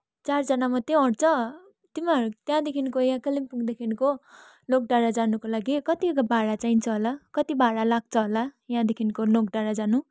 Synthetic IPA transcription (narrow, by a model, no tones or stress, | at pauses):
t͡sard͡zʌnamʌt̪eʌɽt͡sʰʌ | t̪imaɾut̪jãd̪ekʰinkojãkʌlimpuɡd̪ekʰinko | lok̚ɖaɽad͡zanukolaɡikʌt̪iɡabʱaɽat͡saint͡sʰʌɦolakʌt̪ibʱaɽalaɡ̚t͡sʰʌɦolajãd̪ekʰinkolokɖaɽad͡zanu